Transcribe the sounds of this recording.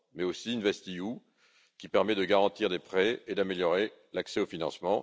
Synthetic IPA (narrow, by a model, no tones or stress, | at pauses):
mɛosiynvɛst̪iju | kʲipɛʁmɛd̪əɡaʁɑ̃t̪iʁd̪epχɛed̪ameljɔʁe | laksɛofinɑ̃smɑ̃